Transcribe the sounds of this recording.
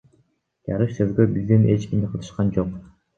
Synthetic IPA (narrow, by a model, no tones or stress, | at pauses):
d͡ʒɑ̰ɾɯʃsøzɡøbizd̪ine̞t͡ʃkʲimd̪iqʰɯlˠɯ̥ʃqɑnd͡ʒo̞q